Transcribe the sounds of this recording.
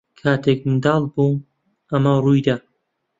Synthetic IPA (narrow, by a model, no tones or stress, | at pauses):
kʰaːt̪ʰeːk̚nd̪ɑːlˠbuː | ɐmɐruːjd̪a